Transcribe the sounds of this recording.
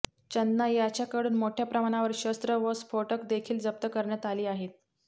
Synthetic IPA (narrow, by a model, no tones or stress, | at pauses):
t͡ɕənːajat͡ɕjakəɽuːnmoʈʰjapɾəmaɽ̃aʋəɾɕəst̪ɾəʋəsfoʈəkd̪ekʰiːld͡zəp̚t̪əkəɾɳjat̪aliːaɦet̪̚